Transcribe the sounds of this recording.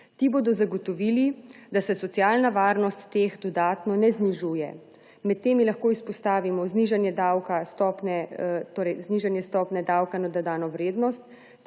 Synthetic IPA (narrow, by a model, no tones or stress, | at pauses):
t̪iboːd̪ɔzaɡɔt̪ɔʋiːlid̪asɛsɔt̪sjaːlnaʋaːɾnɔst̪ːeːxd̪ɔd̪aːt̪nɔnɛzniʒujɛ̰ | mɛt̪ːeːmilaxkoːispɔst̪aːʋimɔzniʒanjɛd̪awkast̪ɔːpnɛt̪oːɾɛjzniʒanjɛst̪ɔpnɛd̪awkanad̪ad̪aːnɔʋɾeːd̪nɔst̪